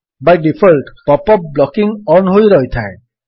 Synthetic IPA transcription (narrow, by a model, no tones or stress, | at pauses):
bajɖipʰɔlʈpɔpɔpblɔkiŋɔnɦojɾɔjt̪ʰae